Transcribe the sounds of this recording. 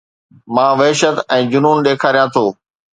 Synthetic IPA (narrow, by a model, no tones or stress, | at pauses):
mãːʋɐɦʃət̪ɛ̃ːd͡ʑʊnuːnɗeːkʰaːɾijãt̪ʰoː